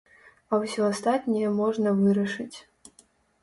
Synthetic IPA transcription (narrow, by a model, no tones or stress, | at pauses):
ɐwsʲɔast̪at̪nʲɛjɐmɔʐnɐvɨɾɐʂɨt͡sʲ